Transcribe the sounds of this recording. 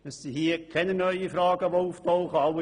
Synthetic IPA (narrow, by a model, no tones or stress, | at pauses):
əssihiːəkʰːɛnənœʏifɾɑːɡəʋouftɔʊχəɑw